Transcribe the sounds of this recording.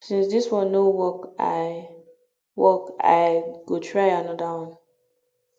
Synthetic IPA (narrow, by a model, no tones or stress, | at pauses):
sĩnsdiswɔ̃nːowɔka̰ | wɔka̰ɪɡ̥otʰɹaɪanɔdawɔ̃n